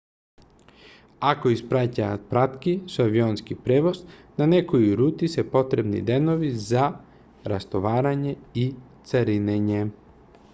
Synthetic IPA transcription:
akoispɾacapɾat̪kisuaʋionskipɾeːʋo̞znanekojiɾuːt̪isepo̞t̪ɾebnḭd̪eno̞ʋiza | ɾast̪oʋaːɾaɲe̞it̪saɾineɲe

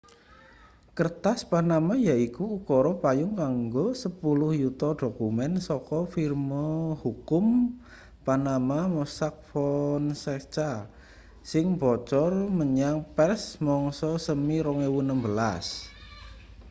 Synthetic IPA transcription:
kərt̪aspanamajaikuːkɔɾɔpajʊŋkaŋɡosəpulʊhjut̪ɔd̪̥o̤kumɛnsɔkɔfirmɔhukʊm | panamamɔsak̚fɔnsɛt͡ʃa | sɪŋbɔt͡ʃɔrməɲaŋpɛrsmɔŋsɔsəmiɾɔŋewunəmbəla̰s

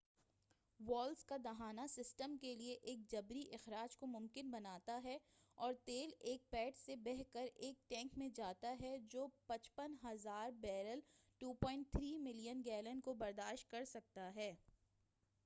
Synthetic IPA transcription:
ʋɔːlzkad̪ɐɦaːnasɪsʈəmkelieʔeːk̚d͡ʒɐbɾiʔɪxɾaːd͡ʒkomʊ̃mkɪnbɐnaːt̪aɦɛɔːɾt̪eːleːk̚pɛːʈsebɛɦkəɾeːk̚ʈɛ̃ːŋkmẽd͡ʒaːt̪aɦɛd͡ʒoːpɐt͡ʃpənɦɐzaːɾbɛːɾəlʈuːpɔːɪ̃ɳʈ̚t̪ʰɾiːmɪlijənɡɛːlə̃nkobɐɾd̪aːʃʈ̚kɐɾsɐk̚t̪aɦɛː

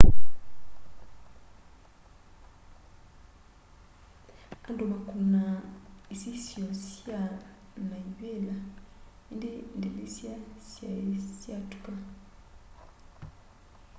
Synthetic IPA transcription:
a̰ndoβakunaisisjɔ̃sja | majuela | indendelesjasja̰sjatu̥ka

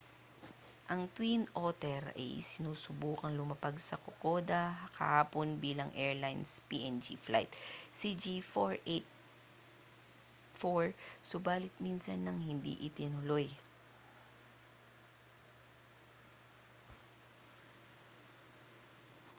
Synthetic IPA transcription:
ʔɐŋt̪winʔoːt̪ɛɾɐ̰jsɪnuːsʊbuːkɐŋlʊmɐpaɡsɐkokod̪ɐkɐhaːponbiːlɐŋʔɛɹlajnspḭʔɛnd͡ʒḭfla̰jt̪sid͡ʒifoɹet̪̚ | foɹsʊbaːlɪt̪̚minsɐnːɐŋhɪnd̪ḭʔɪt̪ɪnʊloj

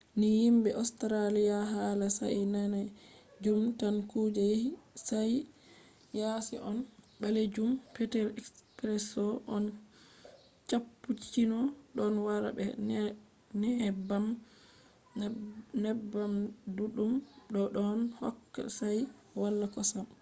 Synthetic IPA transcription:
nijimbɛʔastɾalijaɦalasa̰jnanad͡ʒumtankud͡ʒajehisaj | jasḭʔɔn | ɓaled͡ʒumpɛtɛlɛkspɾɛsɔʔɔn | t͡ʃapːut͡ʃinɔɗɔnwaɾa̰bɛ̰ | nɛhɛbam | nɛbːamduɗumɗɔɗɔnhɔkːa̰saj | walːakɔsam

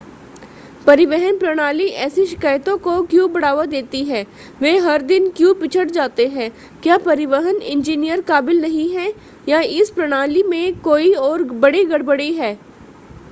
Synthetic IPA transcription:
pɐɾɪʋɛɦənpɾɐɽ̃aːliʔɛːsiʃɪ̥kaːjt̪õkokjũːbɐɽaːʋad̪eːt̪iɦɛ̃ː | ʋeːɦɐɾd̪ɪnkjũpɪt͡ʃʰəɽd͡ʒaːt̪eɦɛ̃ː | kjaːpɐɾɪʋəɦənɪ̰̃nd͡ʒiːnijəɾkaːbɪlnɐɦĩɦɛ | jaɪspɾɐɽ̃aːlimẽkoːiɔːɾbɐɽiɡɐɽbəɽiɦɛː

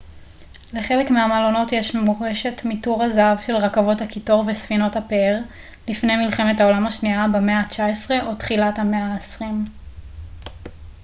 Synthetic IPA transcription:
le̞χe̞le̞kmeamalo̞no̞tjeʃmemoʁeʃe̞tmituʁazavʃe̞lʁakavo̞thakito̞ʁvesfino̞thapeeʁ | lifne̞jmilχe̞metao̞lamaʃniabemeat͡ʃaesʁe̞ʔo̞tχilathameaesʁim

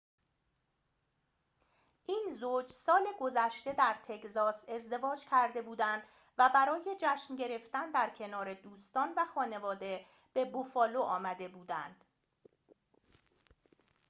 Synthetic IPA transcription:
ʔiːnzoːd͡ʒsɒːleɡo̞zæʃt̪e̞d̪æɾt̪ʰe̞czɒːse̞zd̪e̞vɒːd͡ʒcʰæɾd̪e̞buːd̪ænd̪ | væbæɾɒːje̞d͡ʒæʃnɟe̞ɾe̞ft̪ænd̪æɾcʰe̞nɒːɾe̞d̪uːst̪ɒːnvæxɒːne̞vɒːd̪e̞ | b̥e̞bofɒːloʔɒːmæd̪e̞buːd̪ænd̪̥

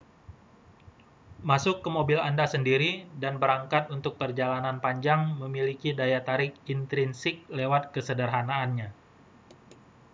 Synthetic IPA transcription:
masʊkːəmobɪlandasəndiɾidanbəɾaŋkat̪unt̪ʊk̚pərd͡ʒalananpaɲd͡ʒaŋməmilikidajat̪aɾɪk̚int̪ɾinsɪk̚lewat̪̚kəsədərɦanaːnɲa

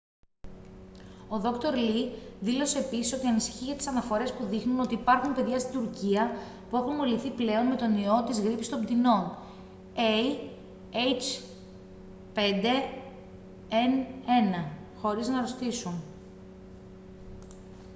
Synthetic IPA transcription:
o̞ðo̞kt̪o̞ɾliðilo̞se̞pissoce̞ɐnisi̥çiʝɐt̪i̥sɐnɐfo̞ɾe̞spuðixnuno̞t̪iːpɐɾxunpe̞ðʝɐst̪id̪uɾciɐ | pue̞xunmoliθiple̞onme̞t̪o̞nio̞t̪izɣɾipist̪o̞md̪ino̞n | ei | ejt͡ʃ | pe̞nd̪e̞ | ene̞nɐ | xo̞ɾiznɐɾo̞st̪isun

